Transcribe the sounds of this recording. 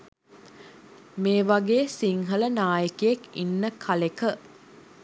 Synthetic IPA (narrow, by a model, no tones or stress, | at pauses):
meːʋaɡeːsiŋɦələnaːjəkejekḭnːəkʰalekə